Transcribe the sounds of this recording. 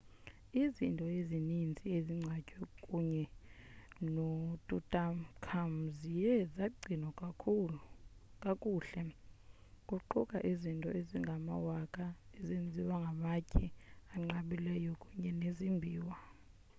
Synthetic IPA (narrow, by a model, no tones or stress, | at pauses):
izintʼɔezinint͡sʼieziŋ͡ǀʱacʼwɛkʼuɲɛ | notʼutʼamkʰam̩zijɛzaɡ͡ǀʱinɔkʼʰu | kʼakʼuːɬɛ | kʼuǃukʼa̰ʔizintʼɔ̰eziŋɡʱama̰wakʼaezind͡zʱiwaŋɡʱamacʼiaŋ͡ǃaɓilɛjɔkʼuɲɛnezimbʱiːwa